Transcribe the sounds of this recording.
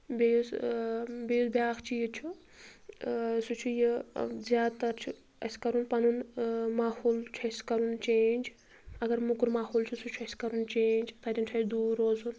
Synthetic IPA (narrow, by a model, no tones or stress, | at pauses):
bes | besbʲjaːkʰt͡ʃʰijit͡ʃʰu | sut͡ʃʰujezʲjaːt̪ɐt͡ʃʰu | ɐ̰skɐɾunpɐnunmaːhoːlt͡ʃʰuɐskɐɾunt͡ʃeːnʲd͡ʒ | ɐɡɐɾmukuɾmaːhoːlt͡ʃʰusut͡ʃʰuɐskɐɾunt͡ʃeːnd͡ʒt̪ʰɐɾʲint͡ʃʰɐjd̪uːɾoːzun